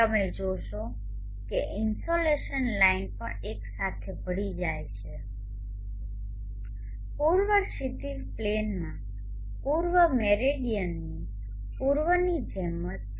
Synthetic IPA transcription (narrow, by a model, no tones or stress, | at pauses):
əmed͡ʒoʃo | keʔɪnsoleʃənlainpə̰ɽeksat̪ʰebʱəɽid͡ʒajt͡ʃʰe | puɾʋəsit̪izplenmã | puɾʋəmɛɾeɖijənːi | puɾʋənid͡ʒʱɛmət̪̚